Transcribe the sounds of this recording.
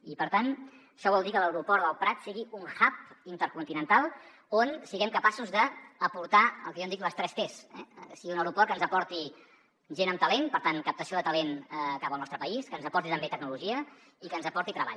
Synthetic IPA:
ipəɾt̪an | əʃɔβ̞ɔlˠd̪ikələwɾupɔɾðəlˠpɾat̪siɣiuŋxap̚int̪əɾkunt̪inənt̪alˠ | onsiɣɛmkəpasuzðəːpuɾt̪aə̰lˠkəjond̪ikləst̪ɾɛst̪esɛ̰siɣiunəwɾupɔɾkənzəpɔɾt̪i | ʒenəmt̪əlenpəɾt̪ankəp̚t̪əsioðət̪əleŋkapəlˠnɔst̪ɾəpəiskənzəpɔɾt̪it̪əmbet̪əɡ̚nuluʒiə | ikənzəpɔɾt̪it̪ɾəβa̰ʎ

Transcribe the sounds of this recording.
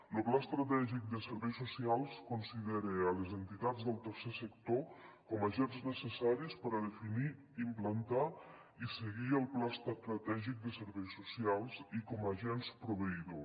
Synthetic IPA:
loplast̪ɾat̪ɛʒik̚d̪əsəɾβɛjsusialˠskonsiðeɾeəlezənt̪it̪ad͡zd̪əlˠt̪əɾsesəkt̪okɔmaʒɛnznəsəsaɾispəɾəðefini | implant̪a | isəɣiəlˠplast̪st̪ɾat̪ɛʒik̚d̪əsəɾβɛjsusialˠzikɔmaʒɛnspɾoβəiðo

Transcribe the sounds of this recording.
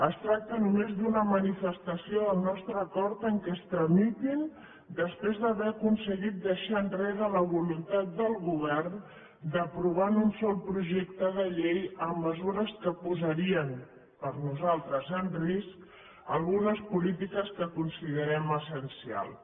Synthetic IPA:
əst̪ɾak̚t̪ənumezd̪unəmənifəst̪əsioəlˠnɔst̪ɾəːkɔɾt̪əŋkɛst̪ɾəmit̪in | d̪əspɾezðəβɛəkunsəɣit̪̚d̪əʃaənreðələβulunt̪at̪̚d̪əlˠɣuβ̞ɛrn | d̪əpɾuβ̞anunsɔlˠpɾuʒekt̪əðəʎejəmːəzuɾəskəpuzəɾiən | pəɾnuzalˠt̪ɾəzənrisk | əlˠɣunəspulit̪ikəskəkunsiðəɾɛməsənsia̰lˠ

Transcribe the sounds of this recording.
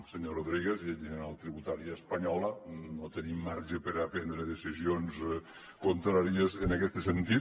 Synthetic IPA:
seɲoroðɾiɣezieʎʒəneɾalˠt̪ɾiβut̪aɾiəːspaɲɔlənot̪ənimːaɾʒepeɾapɛnd̪ɾeðesizions | kont̪ɾaɾiezənakɛst̪əsent̪it̪

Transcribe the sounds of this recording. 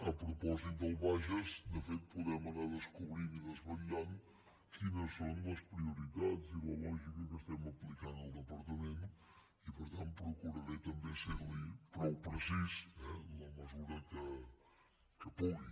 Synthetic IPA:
əpɾupɔzit̪̚d̪əlˠβaʒəzd̪əfet̪̚puðɾɛmənaðəskuβɾiniðəzβəʎan | kinəsːonləspɾiuɾit̪ad͡ziləlɔʒikəkəst̪ɛməplikanəlˠd̪əpəɾt̪əment̪ | ipəɾt̪anpɾukuɾəɾet̪əmbeseɾlipɾɔwpɾəsisɛləməzuɾəkə | kəpuɣi

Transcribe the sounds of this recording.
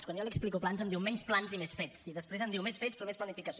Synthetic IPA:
skwanjoliəksplikoplanzəmd̪iwmɛɲsplanzimesfɛt͡siðəspɾezənd̪iwmesfetspɾɔmesplənifikəs

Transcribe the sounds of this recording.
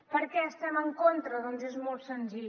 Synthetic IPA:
pəɾkɛəst̪ɛməŋkont̪ɾəðɔnzezmɔlˠt̪sənziʎ

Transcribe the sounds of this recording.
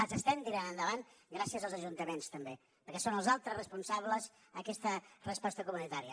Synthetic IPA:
zəst̪ɛmt̪iɾanənd̪əβanɡɾasiəzəlˠzəʒunt̪əmenst̪əmbe | pəɾkɛsonəlˠzalˠt̪ɾəsrəspunsaβləz | əkɛst̪ərəspɔst̪əkumunit̪aɾiə

